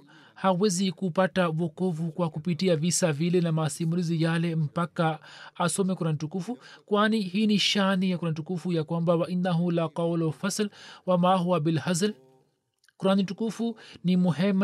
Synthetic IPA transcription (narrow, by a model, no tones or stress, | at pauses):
hawɛzikupatavɔkɔvukwakupitiavisavilɛnamasimulizijalɛm̩pakaːsɔmɛkuɾanitukufukwaniɦiːniʃanijakuɾanitukufujakwambawaʔinːaɦulaqawlɔfaslwamaɦuwabilhazl | kuɾanitukufunimuɦɛm